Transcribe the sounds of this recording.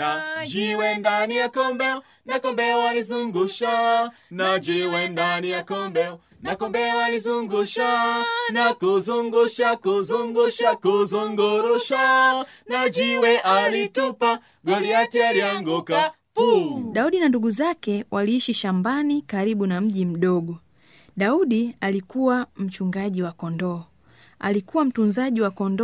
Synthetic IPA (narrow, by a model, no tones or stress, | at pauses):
ad͡ʒiwɛndanijakɔmbɛɔ | nakɔmbɛwalizuŋɡuʃanad͡ʒiwɛndanijakɔmbɛɔ | nakɔmbɛwalizuŋɡuʃanakuzuŋɡuʃakuzuŋɡuʃakuzuŋɡuɾuʃanad͡ʒiwɛʔalitupa | ɡɔliatɛaliaŋɡuka | puɗauɗinanduɡuzakɛwʔaliːʃiʃambanikaɾiɓunam̩ʄim̩ɗɔɡɔ | ɗauɗialikuwam̩t͡ʃuŋɡaʄiwakɔndɔ | a̰likuwam̩tunzaʄiwakɔndɔ